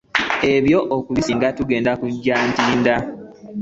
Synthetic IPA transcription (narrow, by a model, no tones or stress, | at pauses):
e̞βjo̞ʔokuβisiŋɡatuɡe̞ːndakuɟːaːntiːnda